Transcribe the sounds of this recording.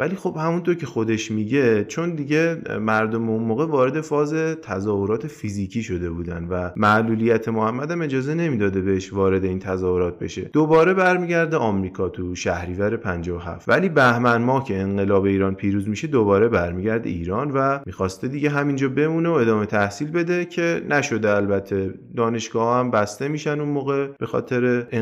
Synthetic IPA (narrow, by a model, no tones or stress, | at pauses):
væliːxo̞b̥hæmunt̪ʰoɾcʲʰe̞xo̞d̪e̞ʃmiɟe̞t͡ʃʰo̞nd̪iɟe̞mæɾd̪o̞meunmoːɣevɒːɾe̞d̪e̞fɒːze̞t̪ʰæzɒːhoɾɒːt̪ʰe̞fiziːcʰiːʃo̞d̪e̞buːd̪æ̰nvæmæʔluːlijæt̪ʰe̞mohæmːæd̪æme̞d͡ʒɒːze̞ne̞miːd̪ɒːd̪e̞beeʃvɒːɾe̞d̪e̞iːnt̪ʰæzɒːho̞ɾɒːt̪̚ʰbe̞̰ʃe̞̰d̪o̞bɒːɾe̞bæɾmiːɟæɾd̪eɒːmɾiːkʰɒːt̪ʰuʃæhɾiːvæɾe̞pʰænd͡ʒɒːoɦæ̰ft̪væliːbæhmænmɒːcʰe̞ːŋɢe̞lɒːbe̞iːɾɒːnpʰiːɾuːzmiʃe̞d̪o̞bɒːɾe̞bæɾmiɟæɾd̪ḛiːɾɒːnvæmiːxɒːst̪ed̪iɟe̞ɦæmind͡ʒɒːbe̞muːneoe̞d̪ɒːme̞t̪ʰæhsiːlbe̞d̪e̞cʰe̞næʃod̪eælbæt̪ʰːe̞d̪ɒːne̞ʃɡ̥ɒːhhæmbæst̪e̞miːʃænd̪unmoːɣe̞b̥e̞xɒ̰ːt̪ʰe̞ɾe̞